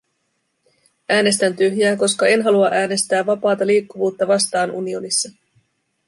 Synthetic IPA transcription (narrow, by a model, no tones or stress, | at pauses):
ʔæːne̞st̪ænt̪yɦjæːko̞skɑe̞nɦɑluɑʔæːne̞st̪æːɑpɑːt̪ɑliːkːuʋuːt̪ːɑʋɑst̪ɑːnunio̞nisːɑ